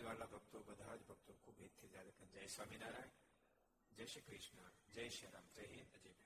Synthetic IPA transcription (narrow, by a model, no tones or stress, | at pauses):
ʋaːlabʱɐɡ̚t̪obɐd̪ʱaːd͡ʒbʱɐɡ̚t̪okʰuːbʱeːt̪ʰːezaːd̪ɐkɐnd͡ʒɐjsʋaːminaːɾaːɳ | d͡ʒɐjʃukɾɪʃnad͡ʒɐjʃɐɾaːmɾɐɦeːnɐd͡ʒeːm